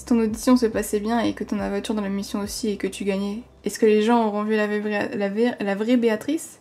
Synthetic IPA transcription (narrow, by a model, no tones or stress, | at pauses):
i̥t̪ɔ̃nod̪isjɔ̃səpasɛbjɛ̃ekət̪ɔ̃navwãt̪yʁd̪ɑ̃lamisjɔ̃osiekət̪ʰyɡaɲɛ | ɛskəleʒɑ̃oʁɔ̃vylalalavʁɛbeat̪χis